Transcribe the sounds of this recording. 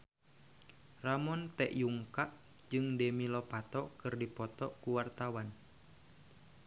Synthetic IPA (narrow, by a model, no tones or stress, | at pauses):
ramɔnt̪ɛʔjuŋkaʔ | d͡ʒɨŋdɛmilɔpat̪ɔkɨrdipɔt̪ɔkuwart̪awan